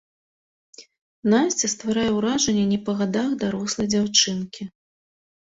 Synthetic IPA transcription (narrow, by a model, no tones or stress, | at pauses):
nasʲt͡sʲɛst̪vaɾajɛwɾaʐɐnʲːɛnʲɛpɐɣad̪axd̪aɾɔslˠɐjd͡zʲawt͡ʂɨnkʲi